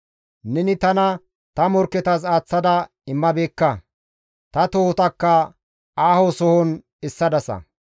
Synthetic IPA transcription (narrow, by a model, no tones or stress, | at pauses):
nɛnɪt̪ɐnɐ | t̪ɐmɔɾkːɛt̪ɐs̬aːt͡sːɐd̪ɐ | ɪmːɐbe̞ːkːɐ | t̪ɐt̪oːt̪ɐkːɐ | aːhosɔhɔn | ɪsːɐd̪ɐsɐ̰